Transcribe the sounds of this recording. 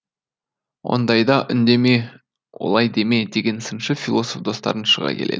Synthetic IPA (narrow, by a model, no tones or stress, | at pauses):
wʔo̞̰nd̪ɑjd̪ɑʔʏnd̪e̞me | wo̞̰lˠɑjd̪e̞me̞d̪e̞ɡʲe̞nsənʃəfʲilˠo̞sofd̪o̞st̪ɑ̰ɾənʃəʁɑ̰kʲʰe̞lḛd̪ɪ